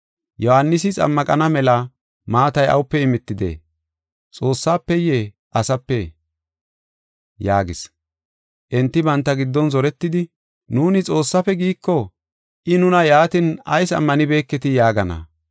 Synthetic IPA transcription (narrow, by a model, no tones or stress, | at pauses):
jɔhanːɪsɪt͡sʼɐ̰mːɐkʼɐnɐmɛlɐ | maːt̪ɐjɐ̰wʊpːɛɪmɪt̪ːɪd̪ḛ | t͡sʼo̞ːsːaːpːɛjeː | ʔɐsɐpːɛ | jaːɡɪs | ʔɛnt̪ːɪbɐnt̪ːɐɡɪd̪ːɔnzɔɾɛt̪ːɪd̪ɪ | nuːnɪt͡sʼo̞ːsːɐfɛɡiːkːɔ | ʔɪnʊnɐjaːt̪ɪnɐ̰jsɐ̰mːɐnɪbe̞ːkːɛt̪ɪjaːɡɐnɐ̰